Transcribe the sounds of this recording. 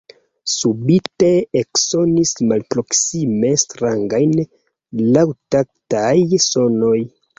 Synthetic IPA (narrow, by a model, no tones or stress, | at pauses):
subite̞ekso̞nismalpɾo̞ksime̞stɾaŋɡajn | lawtak̚tajso̞no̞j